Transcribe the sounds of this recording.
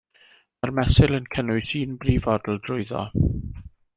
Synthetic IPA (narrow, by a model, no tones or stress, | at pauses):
marmɛsɪlˠənkʰənʊɨsiːnbriːvɔdl̩ˠdrʊɨðɔ̰